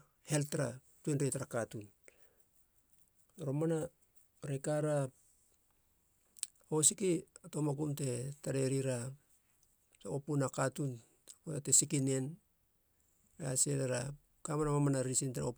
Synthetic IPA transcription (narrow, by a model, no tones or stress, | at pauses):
heltaɾa | tuenɾetɾakatun | ɾomana | ɾekaɾa | osikiatomakumte̞taɾeɾiɾa | taopunakatun | koatesikinen | aseleɾa | kamaɾamamanaɾisinteao